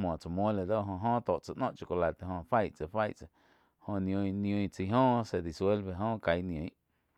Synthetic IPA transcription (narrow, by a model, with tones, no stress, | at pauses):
mwɔ̃˨t͡sa˨mwõ˦le˨d̪o˦ɦõ˧ɦõː˦t̪o˨t͡sa˧ʔnõ˦ʔt͡ʃo˧˨ko˧la˨t̪e˧˨ɦõ˧fa˦jt͡sə˨fa˦jʔt͡sa˨˧ | hõ˧nj̃õ˧ĩ˧nj̃õ˧ĩ˧t͡si˧ɦõː˦se˧˨d̪i˨swe˦lbe˧˨ɦõː˦ka˨˧jnj̃õ˨ĩ˦